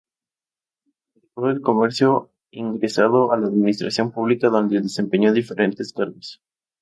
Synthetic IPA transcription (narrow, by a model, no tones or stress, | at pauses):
ekoelko̞meɾsjo̞ | iŋɡɾe̞saðo̞alaːðmĩnist̪ɾasjo̞mpuβlikaðo̞nd̪eðese̞mpeɲo̞ðife̞ɾʔe̞nt̪e̞skaɾmes